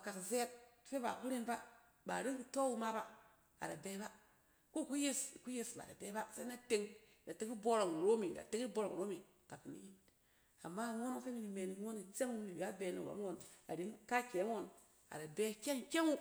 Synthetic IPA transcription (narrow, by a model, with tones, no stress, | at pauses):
ba˨ka˨kze˦t̚fe˦ba̰˨ku˦ɾi˦nba˦ | ba̰˨ɾi˦ki˨to˦wu˦ma˦ba˦ | a̰˨da˨be˦ba˦ | ko˦˨ku˦je˦sku˦je˨sba̰˨a̰˨be˦ba˦sa˦na˦te˨˦ŋ | da˨te˦ki˦bo˦ɾo˨ŋ˨ɾo˦mi˨da̰˨te˦ŋi˦bo˦ɾo˨ŋ˨o˦mi˨ | ta˨ki˨nḭ˦ji˦ | a˨mːa˦˨ŋo˦no˦˨fe˦mi˨ni˨me˨n˦ŋo˦ni˨t͡se˦ŋu˦i˨ba˦be˨no̰˨ba̰˦ŋo˨na̰˨ɾi˨˦nka˦ke˨˦ŋo˦˨n | a̰˨da˨be˦kʲe˦ŋkʲe˦ŋu˦